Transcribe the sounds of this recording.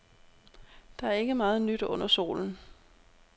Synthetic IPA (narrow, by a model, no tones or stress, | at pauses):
d̥ɑ̈æɐe̝ɡ̥əmɑ̈ːð̞̩ˠnyd̥ɔ̽n̰ɐso̝̰ːln̩